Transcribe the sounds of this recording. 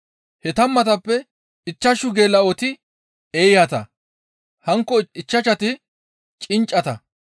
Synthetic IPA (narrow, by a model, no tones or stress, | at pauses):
hɛt̪ɐmːɐt̪ɐpːɛ | ɪt͡ʃːɐʃʊɡe̞ːlːɐɔt̪ɪ | eːjhɐt̪ɐ | hɐŋkːɔɪt͡ʃːɐʃɐt̪ɪ | t͡ʃʼɪnt͡ʃʼːɐt̪ɐ